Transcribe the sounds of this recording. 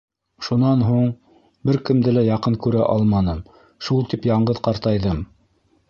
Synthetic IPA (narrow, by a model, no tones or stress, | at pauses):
ʃunɑnɦuɴ | bɘɾkɘ̆md̪ɘlæjɑqɤŋkʉɾæʔɑlˠmɑnɤm | ʃulˠt̪ipjɑɴɢɤðqɑɾt̪ɑjðɤm